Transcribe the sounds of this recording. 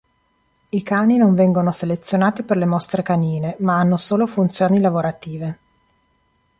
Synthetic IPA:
ikaːninoɱvɛŋɡonoselet̪sːjonaːt̪iperlemɔst̪ɾekaniːnemaanːosoːlofunt̪sjoːnilavoɾat̪iːve

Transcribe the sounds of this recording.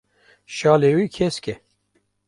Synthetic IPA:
ʃɑːlewiːkʰeskʲɛ

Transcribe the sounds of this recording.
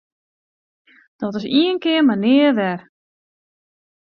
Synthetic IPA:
d̥ɔtɪsiənkɪərmanɪːərʋɛr

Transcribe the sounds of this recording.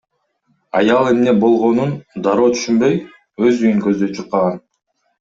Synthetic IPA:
ɑjɑlˠe̞mne̞bo̞lˠʁo̞nund̪ɑɾoːt̪ʰy̥ʃymbø̞j | øzyjyŋkø̞zd̪ø̞jt͡ʃʰuqːɑʁɑn

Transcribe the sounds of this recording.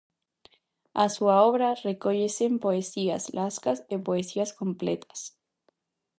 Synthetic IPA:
asuaoβɾarekoʎesempoesia̰slʔaskasepoesiaskomplḛt̪ʰḁs

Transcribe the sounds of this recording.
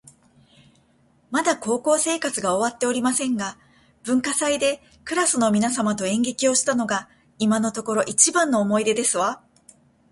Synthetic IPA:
mad̪ako̞ːko̞ːse̞ːkat͡sɨɡao̞βat̪ːe̞o̞ɾʲimasẽ̞ŋɡa | b̥ɯ̟̃ŋkasaid̪e̞ | kɯ̟ɾasɨno̞mʲinasamat̪o̞ẽ̞ŋɡe̞kʲio̞ɕi̥t̪ano̞ɡa | imano̞t̪o̞ko̞ɾo̞ʔit͡ɕibãnːo̞ːmo̞id̪e̞d̪e̞sɨβa

